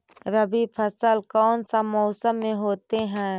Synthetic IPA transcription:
ɾəbipʰəsəlkɔːnsamɔːsəmːẽɦoːt̪eɦɛ̃ː

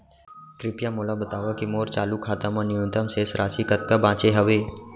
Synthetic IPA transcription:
kɾɪpjamoːlabət̪aːʋakimoːɾt͡ʃaːlukʰaːt̪amãnɪjũnt̪əmseːsɾʔaːsikət̪̚kabãːt͡ʃeɦɐʋeː

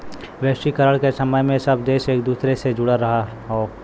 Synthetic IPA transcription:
ʋɛʃikəɾəɽkesɐməjmẽsɐbd̪eːʃeːk̚d̪uːsɾesed͡ʒʊɽaɾɐɦa | ɦoː

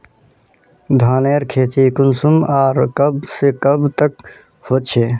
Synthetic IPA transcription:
d̪ʱaːneɾkʰeːt̪ikʊnsumaːɾkəbsekəbt̪ək̚ | hoːt͡ʃʰeː

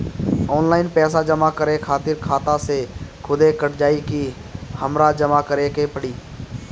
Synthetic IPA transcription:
ɔːnlaːɪnpɛːs̬ad͡ʒəmakəɾekʰaːt̪ɪɾkʰaːt̪ãsekʰʊd̪ekəʈʰd͡ʒaːiki | həmɾad͡ʒəmakəɾekepəɽiː

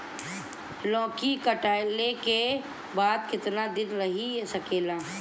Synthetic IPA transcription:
lɔ̃ːkikɐʈaːɪleke | baːd̪kɪt̪nad̪ɪnɾɐɦisɐkeːlaː

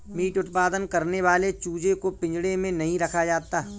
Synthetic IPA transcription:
miːʈʊt̪paːd̪ənkɐɾneʋaːlet͡ʃuːd͡ʒekopɪ̃ɲd͡ʒɽemẽnɐɦĩɾɐkʰad͡ʒaːt̪aː

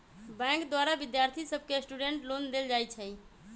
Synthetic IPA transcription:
bɛ̃kd̪waɾabid̪jaɾt̪ʰisəb̚ʱkesʈuɖeɳʈlond̪eld͡ʒajt͡ʃʰəj

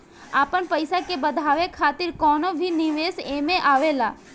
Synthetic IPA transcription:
aːpənpəɪsakebəd̪ʱaːʋekʰaːt̪ɪɾkɔːnobʱinɪʋeːseːmẽʔaːʋelaː

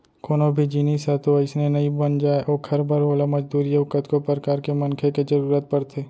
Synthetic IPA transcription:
koːnobʱid͡ʒiniːsɦɛt̪oɪsnenɐibənd͡ʒaːeʔoːkʰɐɾbaɾoːlamɐd͡ʒd̪uːɾijəʊkət̪kopɾəɾkaːɾkemɐnkʰeked͡ʒɐɾuːɾət̪̚pɐɾt̪ʰeː

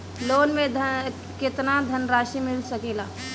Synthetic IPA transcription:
loːnmẽd̪ʱ | kɪt̪nad̪ʱənɾaːʃimɪlsəkeːlaː

